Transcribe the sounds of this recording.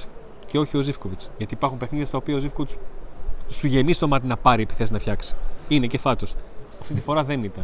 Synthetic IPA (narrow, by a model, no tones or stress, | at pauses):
ce̞o̞çio̞zifko̞vit͡sʝɐt̪iːpɐɾxumpe̞xniðjest̪ɐopiɐozifkovit͡s | suʝe̞mist̪o̞mɐt̪inɐpɐɾiepi̥θe̞sinɐfçɐksi̥ine̞ce̞fɐt̪osɐft̪it̪ifo̞ɾɐðe̞nit̪ɐn